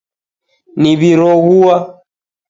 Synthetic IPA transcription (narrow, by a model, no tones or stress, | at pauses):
niβiɾɔɣuwa